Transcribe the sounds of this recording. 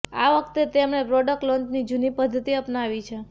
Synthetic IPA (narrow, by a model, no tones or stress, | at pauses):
aʋək̚t̪et̪emnepɾɔɖək̚ʈlɔnd͡ʒnid͡ʒunipəd̪ʱːət̪iəpnaʋit͡ʃʰe